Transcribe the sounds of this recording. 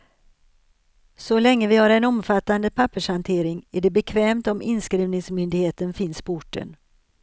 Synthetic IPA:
sɔlɛŋːəvɪhaɾɛnɔmfat̪ːand̪əpʰapːəʂhant̪ʰeːɾɪŋæɖɛbɛkʰvɛːmt̪ɔmɪnskɾiːvnɪŋsmʏnd̪ɪɡheːt̪ənfɪnspʊʈːə̰n

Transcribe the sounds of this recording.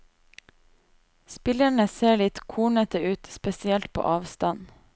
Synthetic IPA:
spɪləɳəseːɭɪt̪kʰuːɳət̪əʉːt̪spɛsɪɛlt̪̚pʰo̰ːʔɑːʋst̪ɑn

